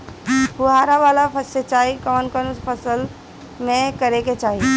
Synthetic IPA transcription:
puɦaːɾaʋalapʰəset͡ʃaːɦikɔːnkɔnʊspʰəsəl | mẽkəɾeket͡ʃaːɦi

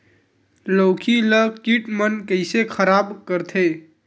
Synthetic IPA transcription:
loːkʰiləkiʈmənkəɪsekʰəɾabkəɾt̪ʰe

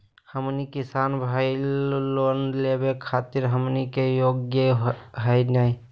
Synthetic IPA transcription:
həmnikisaːnbʱailonlebekʰat̪iɾɦəmnikejoɡjəɦənai

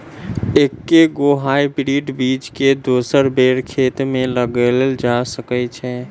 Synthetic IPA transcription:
ekːeɡoɦajpɾiʈbit͡ʃked̪osəɾbeɽkʰet̪meləɡəlld͡ʒasəkɛt͡ʃʰɛ

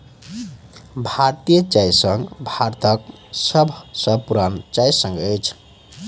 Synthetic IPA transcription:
bʱaɾt̪ijət͡ʃajsəŋɡbʱaɾt̪ʰək | sʌbʱsʌbpuɾant͡ʃajsə̃ŋɡəjt͡ʃʰ

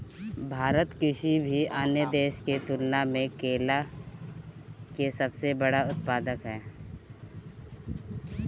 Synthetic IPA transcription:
bʱaːɾət̪kɪsibʱiaːned̪eːʃket̪ʊlnamẽkeːla | kesɐbsebɐɽaʊt̪̚paːd̪əkɦɛː

